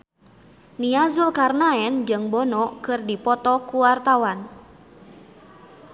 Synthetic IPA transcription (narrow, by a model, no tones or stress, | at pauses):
niazulkarnaɛnd͡ʒɨŋbɔnɔkɨrdipɔt̪ɔkuwart̪awan